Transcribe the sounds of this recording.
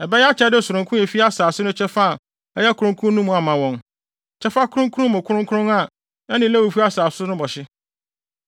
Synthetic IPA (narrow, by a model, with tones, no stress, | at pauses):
ɛ˨bɛ˦jɛ˦a˦t͡ɕʰɛ˦dɪ˦˨sʊ˨ɾʊ̃˨ŋkʰʊ̃˦ɛ˨fi˦a˦saː˨sʊ˦nʊ̃˦t͡ɕʰɛ˦fa˦˨ | ɛ˦jɛ˦kʰʊ˨ɾʊ̃˦ŋkʰũ˦nũ˦mũ˨a˨mã˨wɔ̃˨n | t͡ɕʰɛ˦fa˦kʰʊ˦ʊ̃˦ŋkʰu˦ʊ̃˦mʊ̃˨kʰʊ˦ɾʊ̃˦ŋ˦kʰʊ˦ɾʊ̃˦ŋa˨ | ɛ˦nɪ̃˨læ˦wu˨fu˦a˦saː˨sʊ˦nʊ̃˦bɔ˨ɕɪ˦